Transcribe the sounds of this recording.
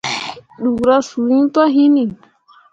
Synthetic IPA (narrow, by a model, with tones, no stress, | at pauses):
ɗu˨ɡɾa˦su˨ɾĩ˦n˦t̪a˦ɦi˦ni˨